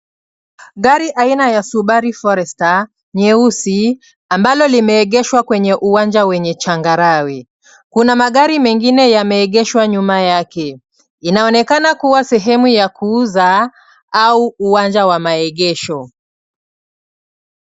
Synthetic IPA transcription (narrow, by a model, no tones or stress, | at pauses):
ɠaɾiʔainajasuɓaɾifɔɾɛsta | ɲɛusi | ambalɔlimɛːɠɛʃwakwɛɲɛʔuwand͡ʒawɛɲɛt͡ʃaŋɡaɾawi | kunamaɠaɾimɛŋɡinɛjamɛːɠɛʃwaɲumajakɛ | inaɔnɛkanakuwasɛɦɛmujakuːza | auuwand͡ʒawamaɛɠɛʃɔ